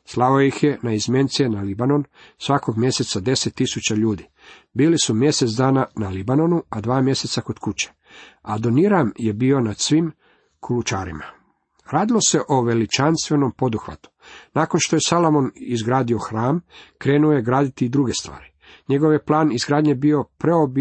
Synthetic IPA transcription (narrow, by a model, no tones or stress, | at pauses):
slˠaoeixje̞naizmje̞nt̪sienalibano̞nsʋako̞ɡmje̞se̞t̪sad̪e̞set̪ːisut͡ɕaʎuːd̪i | biːlisumje̞set̪sd̪aːnanalibano̞nuad̪ʋaːmje̞set̪sako̞d̪kut͡ɕe̥ | ad̪oniɾamje̞bio̞nad̪̥sʋim | kʰulut͡ʃaːɾḭma | ɾaːd̪ilo̞se̞ʔoʋe̞lit͡ʃanst̪ʋe̞no̞mpo̞d̪uxʋa̰t̪u̥naːkonʃt̪o̞je̞salˠomonizɡɾaːd̪io̞xɾaːmkɾe̞ːnuoje̞ɡɾaːd̪it̪iːd̪ɾuɡe̞st̪ʋa̰ːɾi | ɲe̞ɡo̞ʋje̞plˠaːnizɡɾaːd̪ɲebio̞pɾeob